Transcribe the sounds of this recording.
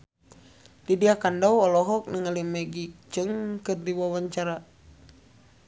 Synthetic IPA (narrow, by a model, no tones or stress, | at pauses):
didiakandɔwɔlɔɦɔk̚nəŋalimɛɡik̚d͡ʒɨŋkɨrdiwawaɲt͡ʃaɾa